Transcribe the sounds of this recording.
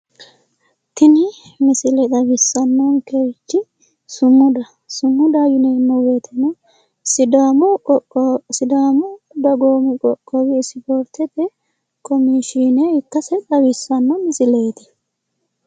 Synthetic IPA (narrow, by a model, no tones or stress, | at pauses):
t̪ɪnɪmɪsɪlɛt̪ɐbɪsːɐnːoŋkeːt͡ʃːɪ | sʊmːʊd̪ɐ | sʊmːʊd̪ajʊnɛmːɔweːt̪ʰɛnɔ | sɪd̪am | sɪd̪aːmɔ | d̪ɐɡoːmɪkʼɔkʼːɔwɪːsɪfoɾt̪ːɛt̪ɛ | kɔmiʃinɛɪt̪ːɐsɛt̪ʼɐwɪsːɐnːɔmɪsɪle̞ːt̪ɛ̥